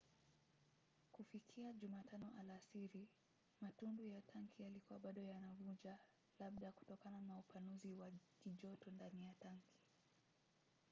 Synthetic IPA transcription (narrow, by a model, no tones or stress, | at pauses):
kufikʰiaʄumatʰanɔʔalasiɾi | matundujatʰaŋkʰijalikuwaɓaɗɔjanavud͡ʒa | laɓ̚ɗaku̥tɔkananaupanuziwakiʄɔtɔndanijataŋkʰi̥